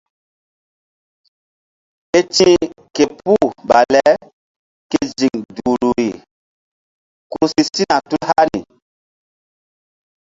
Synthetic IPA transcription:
e˦t͡ʃĩ˦ke˨pu˦ba˨lɛ˦ | ke˦˨zi˨ŋduː˨ɾu˨ɾi˨ | ku˦si˦si˦na˨tu˦lha˦ɾi˨

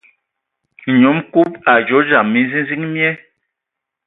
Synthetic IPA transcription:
ɲo˨˦mku˦p̚a˨d͡ʒo˨˦d͡ʒa˨mːi˨˦zi˦zi˦ŋmjɛ˦

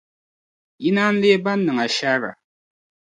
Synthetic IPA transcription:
ji˦na˦n̩˦le˦ba˦n̩ː˦ɨ˨ŋa˨ʃa˦ɣa̰˨

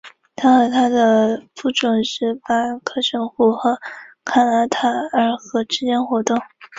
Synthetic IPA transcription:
t̪ʰa˥xɤ˧˥t̪ʰa˥d̪ə˨pu˥˩ʈ͡ʂwʊ˨˩ŋʂɻ̩˥˩pa˥kʰɤ˥ʂə˧˥ŋxu˥˩xɤ˧˥ | kʰa˥na˧˥t̪ʰa˨˩ə˞˧˥xɤ˧˥ʈ͡ʂɻ̩˥t͡ɕjɛ˥nxwɔ˧˥t̪ʊ˥˩ŋ

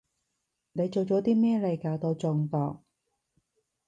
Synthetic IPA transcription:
ne˨˧jt͡so˨wt͡ʃɔː˨˥t̪iː˥mɛː˥˩lɐ˨˧jkaː˨˧wt̪o˧t͡sʊ˧ŋk̪ɔː˧k̚

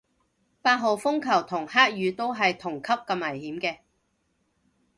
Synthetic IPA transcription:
paː˧t̚ɦo˨wfʊ˥ŋkʰɐ˨˩wt̪ʰʊ˨˩ŋhaː˥k̚jyː˨˧t̪o˥wɦɐ˨jt̪ʰʊ˨˩ŋkʰɐ˥p̚kɐ˧mːɐ˨˩jhiː˨˥mkɛː˧

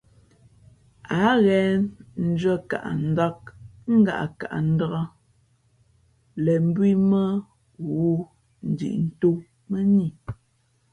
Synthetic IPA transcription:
a˨˦ɣɛ˨˦n̩˦d͡ʒə˦ka̰˨ʔn̩˨˦da˦k̚ŋ̩˦ɡa̰˨ʔa̰˨ka̰˨ʔa̰˨n̩˦də˦ɣə˦ | lɛ˨m̩˦bwi˦mə˦ | ɣu˦ | n̩˨dḭ˨ʔn̩˦to˦ | mə˦ni˦˨

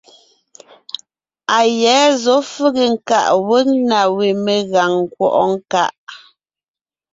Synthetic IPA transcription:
a˨jɛː˨˦zɔ˨˦fʉ˦ɣe˨ŋ̩˦ka˨ʔwə˦ŋna˨we˨me˨ɣa˨ŋ˨kwɔ̰˦˨ʔɔ˦ŋ˦ka˦ʔ

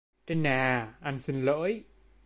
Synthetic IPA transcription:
te˧nːaː˨˩ʔa˧nsi˧nlə̰ː˧˥j

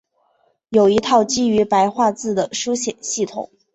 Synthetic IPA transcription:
jo˨˩ʊi˧˥t̪ʰɑ˥˩ʊt͡ɕi˥y˧˥pa˧˥ɪxwa˥˧t͡sɹ̩˥˩d̪ə˩ʂu˥ɕjɛ˨˩nɕi˥˩t̪ʰʊ̰˨˩˦ŋ

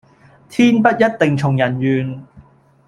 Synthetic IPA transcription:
t̪ʰiː˥npɐ˥t̚jɐ˥t̚t̪e˨ŋt͡ʃʰʊ˨˩ŋjɐ˨˩njyː˨n

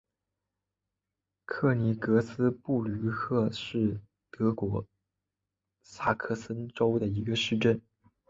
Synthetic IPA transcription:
kʰɤ˥˩ni˧˥kɤ˧˥sɹ̩˥pu˥˩ly˧˥kʰɤ˥˧ʂɻ̩˥˩ | t̪ɤ˧˥kwɔ˧˥ | sa˥˩kʰɤ˥˩sə˥nʈ͡ʂo˥ʊd̪ə˨i˧˥ɡə˧ʂɻ̩˥˧ʈ͡ʂə˥˩n

